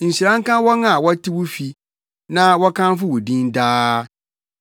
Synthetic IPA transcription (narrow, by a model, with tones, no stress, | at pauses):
n̩˨ɕi˨ɾã˦ŋ̩˦kã˦wɔ˦ŋã˨wɔ˦tʰi˦wʊ˦fi˨ | nã˦wɔ˦kʰã˦n˦fʊ˦wʊ˨dĩ˦ndaː˦